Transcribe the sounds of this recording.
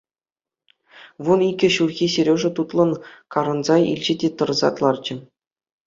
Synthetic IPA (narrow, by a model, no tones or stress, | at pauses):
ʋuniɡʲɘ̆ɕurɣʲiseɾʲoʐɘ̆t̪ut̪lˠɤ̆nkɑɾɤ̆nzɑḭlʲd͡ʑɘ̆dʲet̪ɤ̆rzɑ̰t̪lˠɑrd͡ʑɘ̆